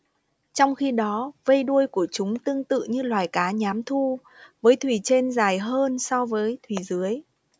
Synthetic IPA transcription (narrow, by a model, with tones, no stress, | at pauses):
t͡ɕɔ˧wŋ͡mxi˧ɗɔ˨˦və˧jɗu˧əjku˧˩ət͡ɕʊ˨˦ŋ͡mt̪ɨ˧əŋt̪ɨ̰˧˨ɲɨ˧lwaː˨˩jkaː˨˦ɲaː˨˦mt̪ʰu˧ | vəː˨˦jt̪ʰwi˧˩t͡ɕe˧nzaː˨˩jɦəː˧nsɔ˧vəː˨˦jt̪ʰwi˨˩zɨ˨˦əj